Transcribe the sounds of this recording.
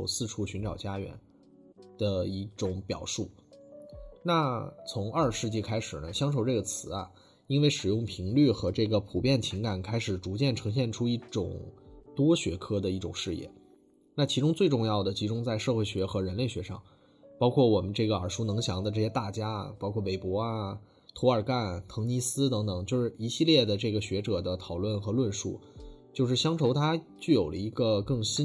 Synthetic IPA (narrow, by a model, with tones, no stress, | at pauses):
ʊt͡sʰɹ̩˥˧ʈ͡ʂʰu˥˩ɕy˧˥nʈ͡ʂɑ˨˩ʊt͡ɕja˥ɥɛ̰˧˥n | d̪̥ə˧i˥˩ʈ͡ʂʊ˨˩ŋpjɑ̰˨˩ʊʂu˥˩ | na˥˩t͡sʰʊ˧˥ŋʔɐ˞˥˧ʂɻ̩˥˧t͡ɕi˥˩kʰa˥ɪʂɻ̩˨˩nə˦ɕjɑ˥ŋʂ̬o˨˩ʊʈ͡ʂɤ˥˩ɡə˩t͡sʰɹ̩˧˥ɐ˧ | i˥nwe˥˩ɪʂɻ̩˨˩jʊ˥˩ŋpʰi˧˥ŋly˥˩xɤ˧˥ʈ͡ʂɤ˥˩ɡə˩pʰu˨˩pjɛ˥˩nt͡ɕʰi˧˥ŋka˨˩nkʰa˥ɪʂɻ̩˨˩ʈ͡ʂu˧˥t͡ɕjɛ˥˩nʈ͡ʂʰɤ˧˥ŋɕ̬jɛ˥˩nʈ͡ʂʰu˥i˥˩ʈ͡ʂʊ̰˨˩ŋt̪wɔ˥ɕɥɛ̰˧˥kʰɤ˥d̪ə˨˧i˥˩ʈ͡ʂʊ̰˨˩ŋʂɻ̩˥˧jɛ̰˥˩ | na˥˩t͡ɕʰi˧˥ʈ͡ʂʊ˥ŋt͡swe˥˧ɪʈ͡ʂʊ˥˧ŋjɑ˥˩ʊd̪ə˩t͡ɕʰi˧˥ʈ͡ʂʊ˥ŋt͡sa˥˧ɪʂɤ˥˧xwe˥˩ɪɕɥɛ˧˥xɤ˧˥ɻə˧˥nle˥˩ɪɕɥɛ˧˥ʂɑ̰˥˧˩ŋ | pɑ˥ʊkʰwɔ˥˩wɔ˨˩mə˦nʈ͡ʂɤ˥˩ɡə˩ə˞˨˩ʂu˥nɤ˧˥ŋɕjɑ˧˥ŋd̪ə˧ʈ͡ʂɤ˥˩ɕjɛ˥t̪a˥˩t͡ɕja˥pɑ˥ʊkʰwɔ˥˩pe˧˩ɪpwɔ˧˥a˧ | t̪ʰɔ˧˥ə˞˨˩ka˥˩nt̪ʰɤ˧˥ŋni˧˥sɹ̩˥t̪ɤ˧˥ŋt̪ɤ˨˩˦ŋt͡ɕjo˥˧ʊʂɻ̩˥˩i˧˥ɕi˥˧ljɛ˥˩d̪ə˩ʈ͡ʂɤ˥˩ɡə˩ɕɥɛ˧˥ʈ͡ʂɤ˨˩d̪ə˦t̪ʰɑ˨˩ʊlwə˥˩nxɤ˧˥lwə˥˧nʂṵ˥˩t͡ɕjo˥˧ʊʂɻ̩˥˩ɕjɑ˥ŋʈ͡ʂʰo˧˥ʊt̪ʰa˥t͡ɕy˥˩jo˨˩ʊlə̰˦i˧˥ɡə˧kɤ˥˩ŋɕi˥